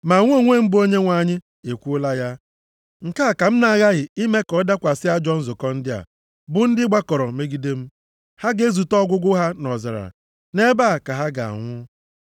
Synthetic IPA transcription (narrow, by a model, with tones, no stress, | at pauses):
ma˨ŋʷ˦o˦˨ŋʷe˦˨m̩˦bo˦ɲe˦ŋʷa˨ɲɪ˦ | e˨kʷu˦ʊ˦la˦ja˦ | ŋ̩˨ka˦˨ka˨m̩˦na˨a˨ɣa˦ɣɪ˨i˦me˦kɔ˨˦da˦kʷa˨sɪ˦a˦d͡ʒɔ˦n̩˦zʊ˨kɔ˦n̩˦dɪ˦a̰˨ | bʊ˨n̩˦dɪ˦ɡ͡ba˦kɔ˨ɾɔ˨me˦ɡi˦de˦m̩˦ | ha˦ɡe˦e˦zu˨tɔ˦ɡʷʊ˦ɡʊ˦ɦa˦nɔ˨za̰˨ɾa̰˨ | ne˦ba˦˨ka˨ɦa˦ɡa̰˨a̰˨ŋʷʊ˦